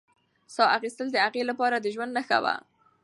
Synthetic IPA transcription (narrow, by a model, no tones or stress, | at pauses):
sɑaxist̪əld̪əaɣelapɑɾad̪əʒwand̪naxa̰wa̰